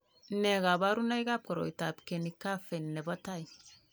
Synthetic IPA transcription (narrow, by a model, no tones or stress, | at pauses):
nɛɡabaɾunajɡap̚kɔɾo̰jtapkenikafenːɛbɔtaj